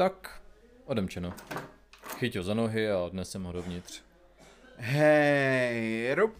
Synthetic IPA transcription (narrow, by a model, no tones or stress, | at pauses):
t̪ak | ʔodɛmt͡ʃɛno | xɪcɦozanoɦɪadnɛsɛmɦodovɲɪt̪r̝̥ | ɦɛ | ɾop